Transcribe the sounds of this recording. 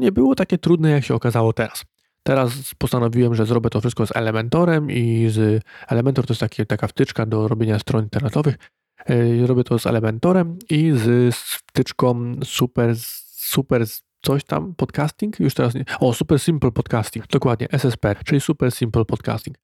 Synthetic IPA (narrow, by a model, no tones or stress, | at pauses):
ɲɛbɘwɔt̪akʲɛt̪ɾud̪nɛjakɕɛɔkazawɔt̪ɛɾas | t̪ɛɾaspɔst̪anɔvʲiwɛmʐɛzɾɔbʲjɛt̪ɔfʂɘst̪̚kɔzɛ̰lɛmɛnt̪ɔɾɛmizɛlɛmɛnt̪ɔɾt̪ɔjɛst̪akʲit̪akaft̪ɘt͡ʂkad̪ɔɾɔbʲjeɲast̪ɾɔnint̪ɛɾnɛt̪ɔvɘx | zɾɔbʲjɛt̪ʰɔzɛ̰lɛmɛnt̪ɔɾɛmizsft̪ɘt͡ʂkɔ̃msupɛɾ | supɛɾ | t̪sɔɕt̪a̰mpɔt̪kast̪ʲiŋkjuʂt̪ɛɾasɲɔsupɛɾsʲimplpɔt̪kast̪ʲiŋɡd̪ɔkwad̪̚ɲɛ̰ʔɛsɛspɛt͡ʂɘlʲisupɛɾsʲimplpɔt̪ka̰st̪ʲiŋk